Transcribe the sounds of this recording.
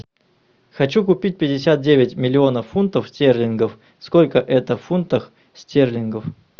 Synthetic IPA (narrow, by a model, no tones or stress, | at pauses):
xɐt͡ɕukʊpʲit̚ʲpʲɪdʲɪsʲat̪̚dʲevʲɪtʲmʲɪlʲɪo̞nəfunt̪əfsʲtʲerlʲɪnɡəf | skolʲkəʔɛt̪əfunt̪əx | sʲtʲerlʲɪnɡəf